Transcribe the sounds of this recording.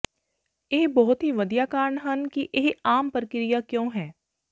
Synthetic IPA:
eɦbɔɦʊt̪ɦiʋɐd̪ijaːkaːɾɳɦənkiʔeɦaːmpəɾəkɪɾijakjõːɦɛː

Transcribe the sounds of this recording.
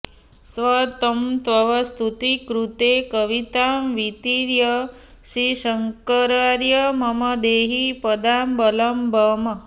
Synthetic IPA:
sʋɐt̪ɐmt̪ʋɐʋɐst̪ʰut̪ikɾut̪ekɐʋit̪aːmʋit̪iɾjɐ | ʃiʃɐŋkɐɾaɾjɐmɐmɐd̪eːɦipɐd̪aːmbɐlɐmbʱɐmɐ

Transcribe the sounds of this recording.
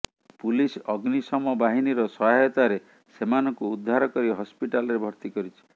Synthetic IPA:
pulisɔɡnisɔmɔbaɦiniɾɔsɔɦajɔt̪aɾe | semanɔŋkuːd̪ʱːaɾɔkɔɾibɦɔspiʈalɔɾebʱɔɾt̪ikɔɾit͡ʃʰi̥

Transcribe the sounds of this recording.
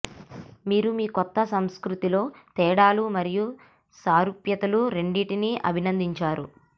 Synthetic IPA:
miːɾumiːkɔt̪ːɐsɐmskɾut̪ilo̞ːt̪ɛːɽaːlumɐɾiju | saːɾupjɐt̪ɐluɾe̞ɳɖiːʈiniʔɐ̰bʱinɐnd̪iɲt͡ʃaːɾu

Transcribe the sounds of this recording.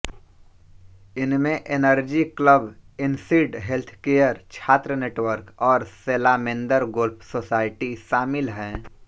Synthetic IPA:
ɪnmẽʔeːnəɾd͡ʒikləbɪnsiːɖɦelt̪ʰkeːjəɾt͡ʃʰaːt̪ɾəneːʈwəɾkɔːɾseːlaːmẽnd̪əɾɡʊlpʰsoːsaːɪʈiʃaːmɪlɦɛ̃ː

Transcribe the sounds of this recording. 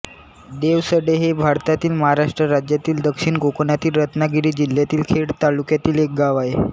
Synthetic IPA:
d̪eʋsəɽeɦebʱaɾt̪at̪iːlməɦaɾaʂʈɾəɾad͡ʑjat̪iːld̪əkʂiːɳɡokonat̪iːlɾət̪naɡiɽiːd͡ʑil̤ːjat̪iːlkʰeɽt̪alukjat̪iːlek̚ɡaʋae

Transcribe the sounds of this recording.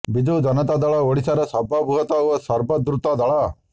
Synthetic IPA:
bid͡ʒ̪ud͡ʒɐnɐt̪ad̪ɐɭɐoɽisɐɾɐsɐbʱɐbʱuɦɐt̪ɐʋɐsɐɾbɐd̪ɾut̪ad̪ɐɭa

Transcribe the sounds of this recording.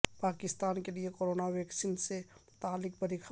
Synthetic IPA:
paːkɪst̪aːnkeliekoːɾoːnaʋjɛːksinsemʊt̪aːlːɪk̚pəɾɪkʰ

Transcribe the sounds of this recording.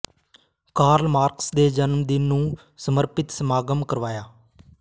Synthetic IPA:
kaːɾlmaːɾksd̪eːd͡ʒənmd̪ɪnːũː | səməɾpɪt̪səmaːɡəmkəɾʋaːjaː

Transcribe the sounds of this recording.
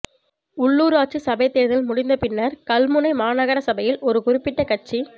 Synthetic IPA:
ʊɭːuːɾaːʈ̚t͡ʃːisɐbɐɪt̪ːeːɾðɪlmʊɽɪnd̪ɐpɪnːɐɾkɐlmʊnɐɪmaːnɐɣɐɾɐsɐbɐjɪlɔɾɯkʊɾɪpːɪʈːɐkɐʈ̚t͡ʃi

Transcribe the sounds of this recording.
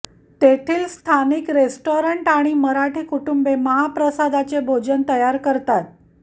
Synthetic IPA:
t̪et̪ʰiːlst̪ʰanikɾesʈoɾəɳʈaɽ̃iməɾaʈʰiːkuʈumbeməɦapɾəsad̪at͡sebʱod͡ʑənt̪əjaɾkəɾt̪at̪̚

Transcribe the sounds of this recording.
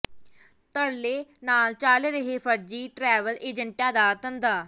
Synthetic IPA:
t̪əɽleːnaːlt͡ʃaːleɾəɦeːpʰəɾd͡ʒiːʈɾɛːʋəlʔeːd͡ʒəɳʈãːd̪aːt̪ənd̪aː

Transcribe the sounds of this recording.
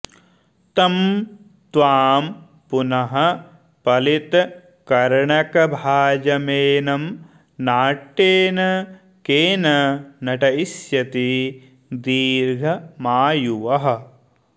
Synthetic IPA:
t̪ɐm | t̪ʋaːm | punɐɦɐ̆ | pɐlit̪ | kɐɾɳɐkɐbʱaːd͡ʒɐmeːnɐm | naːʈːeːnɐ | keːnɐnɐʈɐisjɐt̪i | d̪iːɾɡʱɐmaːjuʋɐɦɐ̆

